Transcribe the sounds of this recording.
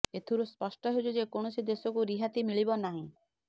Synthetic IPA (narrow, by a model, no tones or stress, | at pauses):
et̪ʰuɾuspɔsʈɔɦed͡ʒud͡ʒekoɳ̃usid̪esɔkuɾiɦat̪imiɭibɔnaɦĩ